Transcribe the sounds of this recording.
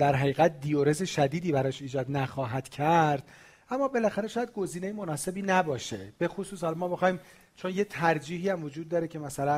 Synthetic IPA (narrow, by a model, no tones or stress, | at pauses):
d̪æɾɦæɣiːɣæt̪̚d̪ioɾe̞ze̞ʃæd̪iːd̪iːbæɾɒːʃiːd͡ʒɒːd̪næxɒːɦæd̪̥cʰæɾd̪̥̚ | ʔæmːɒːbe̞læxæɾeʃːjæd̪̚ɡo̞ziːnejemo̞nɒːse̞biːnæbɒːʃe̞b̥e̞xosuːshɒlɒmɒːbe̞xɒːjiːm | t͡ʃʰonje̞t̪ʰæɾd͡ʒiːɦiːæmvo̞d͡ʒuːd̪̚ːɒːɾecʰe̞mæsælæn